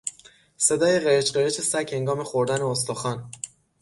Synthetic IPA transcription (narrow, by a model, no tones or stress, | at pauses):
se̞d̪ɒːje̞ɢeɾet͡ʃɢeɾet͡ʃʰesæche̞ŋɡɒːme̞xoɾd̪æneost̪oxɒːn